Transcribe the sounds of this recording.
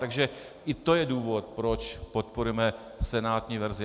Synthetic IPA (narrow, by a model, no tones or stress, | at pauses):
t̪aɡʒɛ | ʔɪt̪ojɛduːvo̞t̪̚pɾot͡ʃpot̪̚poɾujɛmɛ | sɛnaːt̪ɲiːvɛɾzɪ